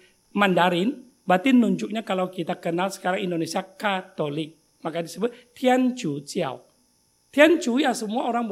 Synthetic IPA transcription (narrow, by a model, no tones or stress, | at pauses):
mandaɾɪn | bat̪inuɲd͡ʒʊk̚ɲakalawkit̪akənalsə̥kaɾaŋindonesiakat̪olɪk̚ | makadisəbʊt̪̚t̪ʰiant͡ʃut͡ʃia̰w | t̪iant͡ʃujasəmuaoɾaŋb